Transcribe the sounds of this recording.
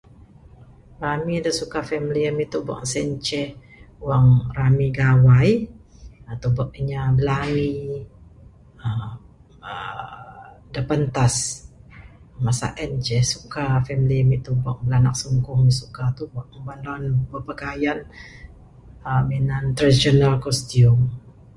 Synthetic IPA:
ramidəsukafɛmiliəmiʔt̪ubɔ̰ʔsɛɲt͡ʃɛh | waŋramiɡawaj | at̪ubɔʔ̚iɲabəlami | ə | ə | dəpənt̪as | masa̰ʔɛnd͡ʒɛsukafɛmiliəmiʔt̪ubɔʔbəlanak̚suŋkʊŋisukat̪ubɔʔəbandanbəʔpakajan | əminant̪ɾadisionalkɔst̪iʊm

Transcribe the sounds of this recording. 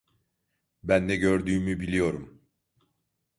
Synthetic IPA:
bænːɛɟøɾd̪yːmybilʲijo̞ɾum

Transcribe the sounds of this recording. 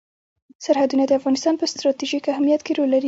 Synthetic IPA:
saɾhad̪unad̪əafɣɑnɪst̪ɑnpəst̪ɾɑt̪iʒikahmijat̪keɾolaɾi

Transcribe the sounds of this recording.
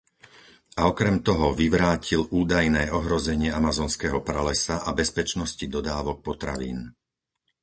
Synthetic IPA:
ʔaɔkɾɛmt̪ɔɦɔʋiʋɾaːciluːd̪ajnɛːɔɦɾɔzɛɲɪɛamazɔːnskɛːɦɔpɾalɛsaʔabɛspɛt͡ʃnɔscid̪ɔd̪aːʋɔk̚pɔt̪ɾa̰ʋḭːn

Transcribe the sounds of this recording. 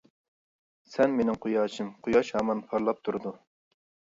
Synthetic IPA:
sɛnmenɪŋqʰʊjɑːʃʰɨmqʰʊjɑʃhɑːmɑnpʰɑɾlˠɑp̚t̪ʰuɾd̪u

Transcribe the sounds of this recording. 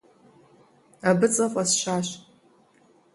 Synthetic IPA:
abɨt͡sʼɐfʷʼasʃaːʃ

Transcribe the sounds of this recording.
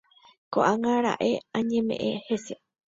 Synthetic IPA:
koʔaŋãɾa̰ʔe̞ãɲẽmḛ̃ʔẽhese

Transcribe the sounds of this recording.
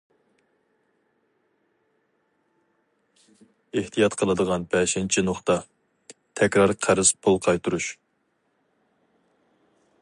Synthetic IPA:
eht̪ʰijɑt̪qʰəlˠɨd̪əʁɑnbɛʃɪnt͡ʃʰinoχt̪ɑ | t̪ʰɛkʲɾɑɾqʰæɾɨz̥pʰolˠqʰɑjt̪uɾuʃ

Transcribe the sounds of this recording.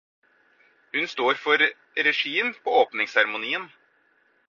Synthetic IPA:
hʉnst̪oːɾfɔɾ | ɾɛʂiːənpʰɔoːpnɪŋsæɾmʊniːən

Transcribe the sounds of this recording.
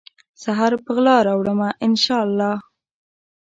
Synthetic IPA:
saɦaɾpəɣlɑɾawɽəmaʔɪnʃɑlːɑ

